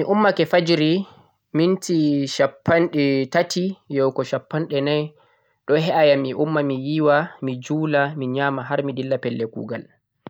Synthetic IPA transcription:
miʔumːakɛfad͡ʒɾi | mintiʃapːanɗɛtatʰijɔwkɔʃapːanɗɛnaj | ɗɔɦɛʔajamiʔumːamijiwamid͡ʒuːlamiɲaːmaɦaɾmidilːapɛlːɛkṵːɡal

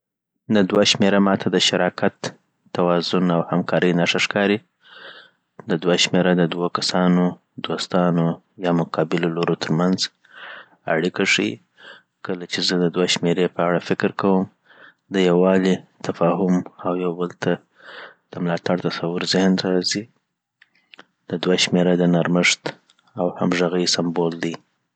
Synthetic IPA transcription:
d̪ad̪waʃmeɾamɑt̪ʰad̪əʃaɾɑkat̪ː | awɑzʊnawhamkɑɾəjnaʂaʂkɑɾi | d̪əd̪waʃmeɾad̪əd̪wokasɑno | d̪ost̪ɑno | jɑmʊqʰɑbɪloloɾot̪ʰəɾmanz | a̰ɽikaʂi | kəlat͡ʃezəd̪əd̪waʃmeɾepəaɽafɪkɪɾkawəm | d̪əjawɑlit̪afɑɦʊmawjawbəlt̪ʰa | d̪̥əmlɑt̪aɽt̪asawʊɾzɪhnɾɑzi | d̪̥əd̪waʃmeɾad̪ənaɾməʂt̪ | awha̰mʒaɣəjsambold̪i

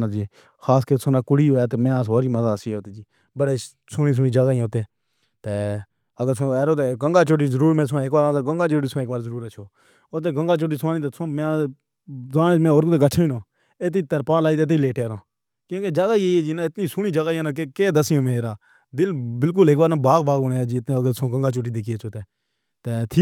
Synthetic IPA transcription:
nad͡ʒiː | xaːskəɾsʊnaːkʊɽiːoːjaːt̪emẽːaːsɦoːɾiːməzaːəsiːot̪eːd͡ʒiː | bəɽeː | suːnĩːs̬ʊːniːd͡ʒaɡaːĩːt̪eː | t̪eː | əɡəɾsõɛːɾoːt̪eːɡəŋɡaːt͡ʃoːʈiːzəɾuːɾmẽːs̬ʊãːeːkbaːɾãːɡəŋɡaːt͡ʃoːʈiːsãeːkbaːɾzəɾuːɾət͡ʃʰoː | ot̪̬eːɡəŋɡaːt͡ʃoːʈ̬iːsaːnĩːt̪eːsmẽː | zãːmẽːoːɾkt̪eːɡət͡ʃʰːiːnõː | et̪̬iːt̪əɾpãːlaːiːt̪eːt̪̬iːleːʈeɾõː | kjõːkeːd͡ʒaːɡaːiːeied͡ʒiːnaɪt̪nĩːsuːniːd͡ʒəɡaːãːnaːkekeːd̪əsɪjõːmẽːɾaː | d̪ɪlbɪlk̬ʊleːk̚baːɾnãbaːɡbaːɡoneːd͡ʒiːɪt̪nːəɡəɾsõːɡəŋɡaːt͡ʃoːʈiːd̪eːkʰiːət͡ʃʰoːt̪eː | t̪eːt̪ʰiː

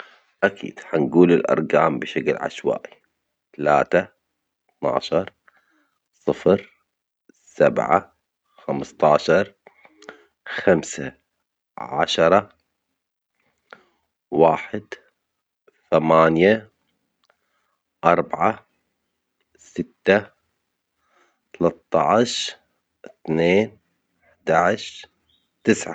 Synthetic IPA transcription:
ʔakʰḭːd̪̥ħanɡuːlɪlʔɑ̰ɾˤɡaːmbɪʃaklʕa̰ʃwa̰ːʔi | t̪ala̰ːt̪a | θna̰ːʃɑɾˤ | sˤɨfɾ | sabʕa̰ | xamst̪ˤɑːʃɑɾˤ | xamsa | ʕa̰ʃɑɾˤɑ | waːħɪd̪ | θamaːnja | ʔɑɾˤbʕa | sɪt̪ːa | t̪ɑlɑt̪ˤːɑʕʃ | θneːn | ɪħd̪aʕɪʃ | t̪ɪsʕa

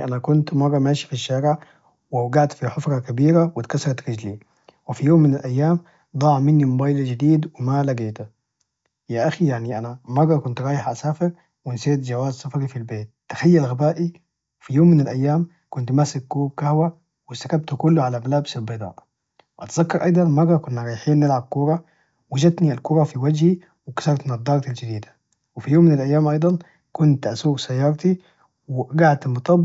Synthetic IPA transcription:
ʔanakʊnt̪mɑrˤːɑmaːʃi̥fiʃːaːɾɪʕ | wawɡaʕt̪fiħʊfɾˤɑkabiːɾawɪt̪kasɑɾˤɑt̪ɾɪd͡ʒli | wɪfijoːmːɪnalʔajːaːm | d̪ˤɑːʕmɪnːimʊbaːjld͡ʒad̪iːd̪wɪmalaɡeːt̪a | jaʔaxijaʕniʔanamɑrˤːɑkʊnt̪ɾˤɑːjɪħʔasaːfɪɾ | wɪnseːt̪d͡ʒawaːzsafɑɾifilbeːt̪ːḁxajːalɣabaːʔi | fijoːmːɪnalʔajːaːm | kʊnt̪masɪk̚ɡuːb̚kahwa | wɪst̪akab̚t̪ukʊlːuʕalamalaːbsabɑd̪ˤɑ̰ːʔ | wʔa̰t̪zakːɑɾˤʔɑ̰jd̪ˤɑnmɑrˤːɑkʊnːaɾˤɑjħiːnːɪlʕab̚kʊɾˤɑ | wad͡ʒad̪nialkʊɾˤɑfiwad͡ʒhi | wɪkḁsɑɾɑt̪mɪnad̪ˤːɑːɾˤɑt̪ald͡ʒad̪iːd̪ḁ | wɪfijoːmːɪnalʔajːaːmʔɑjd̪ˤɑn | kʊnt̪ʔasuːɡsajːɑːɾˤt̪i | wɪɡaʕd̪mʊt̪ˤɑb

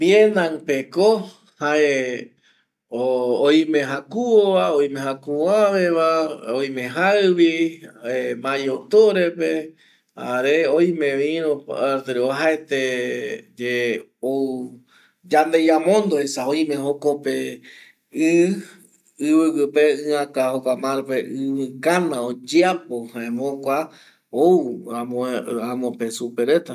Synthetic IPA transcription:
bjenãŋpeko | hae | oojmẽɦakuoβaoj̃mẽɦakuãβeβaojmẽɦaβiemãjot̪oɾepe | a̰ɾeoj̃mẽʋĩɾõpaɾt̪eɾoɦaet̪e | d͡ʒe | ow | d͡ʒand̪ejamõnd̪oesaojmẽɦokope | ɨ | ɨβɨkɨpeɨ̃ãkahokʷamãɾpeʔɨβɨkanãod͡ʒeapohãẽmõkʷa | owamõãmõpesupeɾe̞t̪a

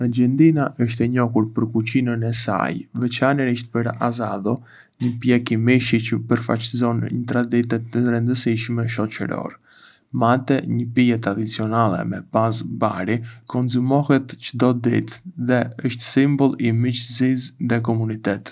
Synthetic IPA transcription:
ad͡ʒɛnd̪inaʔəʃ̬t̪ɛɲɔhuɾpəɾkut͡ɕinənɛsa̰jvɛt͡ʃaniɾiʃt̪̚pəɾazaðɔ | ɲəpjɛkimiʃicəpəɾfa̰t͡ʃzɔnɲət̪ɾad̪it̪ɛt̪əɾɛnd̪əsiʃmɛʃɔt͡ʃə̰ɾɔ̰ɾ | mat̪ɛɲəpijɛt̪ɾad̪it͡siɔnalˠɛ̰mɛpazba̰ɾikɔnzumɔhɛt̪t͡ʃəd̪ɔd̪ḭt̪ðɛəʃt̪simbɔlˠimit͡ʃzisðɛkɔmunit̪ɛt̪

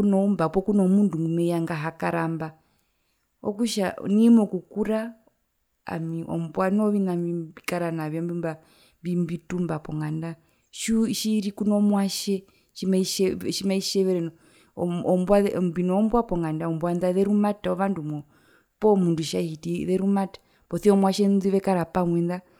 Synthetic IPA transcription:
kunɔumbapɔkunɔmunduŋɡumɛjaŋɡaɦakaɾamba | ɔ̰kuʃa̰nimɔkukuɾa | a̰miʔɔ̰mbwanɔβinaibikaɾanaβɔmbimba | mbimbitumbapɔŋɡanda | ʃuʃiɾikunɔmwaʃɛ | ʃimaiʃɛʃimaiʃɛβɛɾɛnɔ | ɔmbwambinɔːmbwapɔŋɡandaɔmbwanðaðɛɾumataɔʋandumɔ | pɔmunduʃahitiðɛɾumatḁ | pɔθiɔmwaʃɛnðiβɛkaɾapaŋwɛnða

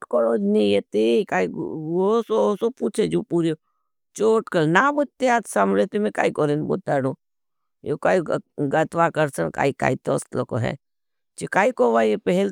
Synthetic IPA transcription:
koɾoːd͡ʒnijet̪ekaiosoosopuːt͡ʃʰed͡ʒopuɾjo | t͡ʃoːʈkəlnabʊt̪ːeat̪samɾet̪imẽka̰ːikoɾenbo̰t̪aːɽo | jokaːiɡɐt̪ʋakɐɾsənka̰ːika̰ːit̪o̰st̪loko̰ɦɛ̰ | t͡ʃikaːikoʋajepɛɦɛl

